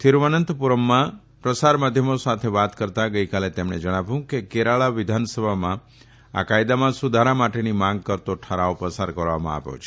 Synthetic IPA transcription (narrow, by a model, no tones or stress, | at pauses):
t̪ʰiɾʋənənt̪puɾəmːã | pɾəsaɾmad̪ʱjəmosat̪ʰeʋat̪kəɾt̪aɡəikalet̪emɳed͡ʒəɽ̃abjũkekeɾaɭaʋɪd̪ʱansəbʱamã | a̰kajd̪amãsud̪ʱaɾamaʈenimãŋɡ̚kəɾt̪oʈʰəɾaopəsaɾkəɾʋa̰mã̰a̰ʋjo̰t͡ʃʰe